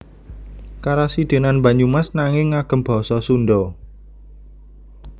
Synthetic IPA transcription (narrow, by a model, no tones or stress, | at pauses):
kaɾasid̪̥e̤nanmbä̤ɲumasnaŋɪŋːaɡ̥ə̤mb̥ɔ̤sɔsunɖɔ